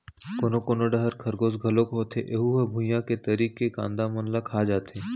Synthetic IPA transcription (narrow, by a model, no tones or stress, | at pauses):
koːnokoːnoɖɐɦəɾkʰɐɾɡoːsɡʱɐlokɦoːt̪ʰḛʔeɦuɦɐbʱʊ̃jãket̪ɐɾiːkːeka̰ːnd̪amɐnlakʰaːd͡ʒaːt̪eː